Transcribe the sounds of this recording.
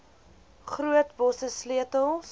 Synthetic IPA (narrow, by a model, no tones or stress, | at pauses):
χruətbɔsəsliətəlˠs